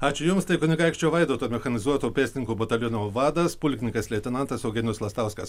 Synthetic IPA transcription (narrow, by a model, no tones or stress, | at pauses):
ɑːt͡ʃʲʊjʊmst̪ɐɪkʊnʲɪɡɐɪkʃʲt͡ʃʲoːʋɐɪd̪oːt̪oːmʲɛxɐnʲɪzuɔt̪oːpʲæːsʲɪnʲɪŋkuːbot̪ɐlʲɪnoːʋɑːd̪ɐspʊlʲkʲnʲɪkɐslʲɛt̪ʲɪnɐnt̪ɐsɐʊɡʲɛnʲʊslˠɐst̪ɑʊskɐs